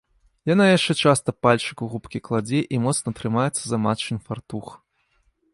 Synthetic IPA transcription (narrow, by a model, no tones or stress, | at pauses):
janajaʂt͡ʂɛt͡ʂast̪ɐpalʲt͡ʂɨkuɣupkʲiklˠad͡zʲɛʔimɔt̪snɐt̪ɾɨmajɛt̪sːɐzɐmat͡ʂɨnfart̪ux